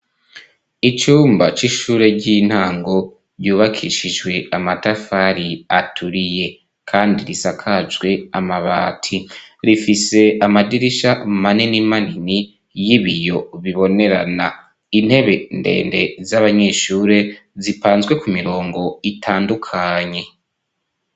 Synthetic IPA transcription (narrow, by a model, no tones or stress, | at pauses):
it͡ʃuːmbat͡ʃiʃuːɾe̞ɟin̥haːŋɡo̞ | ɾɟuːβakʰiʃid͡ʒɡwe̞amatafaɾiatʰuɾije̞ | kʰaːndiɾisakʰazɡwe̞amaβa̰ːtʰiɾifise̞amadiɾiʃaumaninimanini | jiβijo̞βiβo̞ne̞ɾa̰na | in̥he̞βe̞nde̞̰ːnde̞̰zaβaɲeːʃuːɾe̞zipaːnzɡwe̞kumiɾo̞ːŋɡo̞itʰaːndukʰaɲe̞